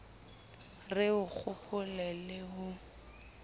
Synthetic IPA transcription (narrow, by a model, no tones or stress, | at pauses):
rɪʊk͡xʰʊpʰʊlɛlɪɦʊ